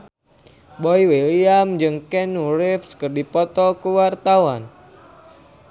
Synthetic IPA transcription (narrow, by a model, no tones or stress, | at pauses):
bɔiweliamd͡ʒɨŋkɛnuɾɪfskərdipɔt̪ɔkuwart̪awan